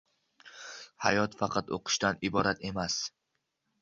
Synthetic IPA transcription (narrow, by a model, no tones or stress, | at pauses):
hajɒt̪fɑqʰɑt̪o̰qʰɨ̥ʃt̪anɪbɒɾat̪e̞mas